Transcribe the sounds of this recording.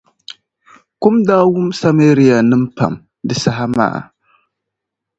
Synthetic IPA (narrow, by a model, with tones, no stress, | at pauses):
kʊ˦mdaː˦wʊ˦msa˦meː˦ɾi˦ja˨nɨ˦m̩˦pa̰˨m | dɨ˨sa˦ɦa˦ma̰ː˦˨